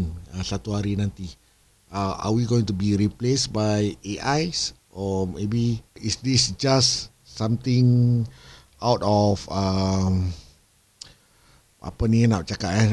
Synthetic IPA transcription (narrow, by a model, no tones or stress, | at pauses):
nəsat̪uhaɾinãnt̪i | əa̰wiɡoĩŋt̪ubiɾiplesbajeʔajs | ʔomebiisdisd͡ʒasː | ãmt̪ɪ̃ŋ | awtɔfəm | ʔa̰paninat͡ʃakata